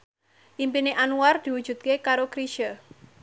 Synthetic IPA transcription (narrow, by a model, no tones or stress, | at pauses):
ʔimpineʔanuard̪̥i̤wud̥ʒ̥ṳt̪̚kekaɾokɾiʃə